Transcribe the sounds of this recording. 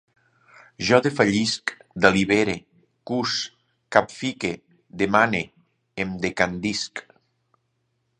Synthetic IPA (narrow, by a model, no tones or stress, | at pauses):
ʒɔðefaʎiskd̪aliβeɾe | kus | kapfike | d̪emane | emd̪ekand̪isk